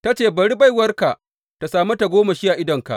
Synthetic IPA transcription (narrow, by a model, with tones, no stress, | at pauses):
ta˦t͡ʃeː˦˨bɐ˨ɽi˦ba˦jwɐ˦rka˨ʔ | ta˨saː˨ma˦ta˨ɡʷoː˦ma˨ʃi˦ja˨ʔɪ˦dɐ˨ŋka̰˨ʔ